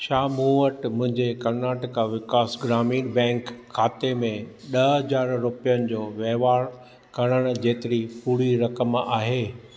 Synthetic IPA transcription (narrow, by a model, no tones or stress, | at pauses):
ʃaːmũʋəʈmʊ̃ɦɪ̃ɲd͡ʑekɐɾnaːʈɪkaʋɪkaːsɡɾaːmiːɽbɛ̃ːŋkʰːaːt̪emẽɗɐɦɐd͡ʑaːɾɾʊpijənɪ̆d͡ʑoːʋɛɦʋaːɾ | kɐɽ̃əɽ̃ʊ̆d͡ʑeːt̪ɪɾipuːɾiɾɐkəma̰ːɦeː